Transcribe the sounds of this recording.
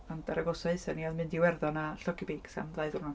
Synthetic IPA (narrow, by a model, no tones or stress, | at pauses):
ɔndaɾaɡɔsɔɨsɛniaðmɨndiwɛrðɔnaɬɔkibeksa̰mlˠaɨðʊrnɔ